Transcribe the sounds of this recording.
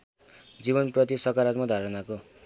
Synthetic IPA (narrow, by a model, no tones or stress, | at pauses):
d͡ziβʌnprʌt̪isʌkaɾat̪mʌd̪ʱaɾʌnako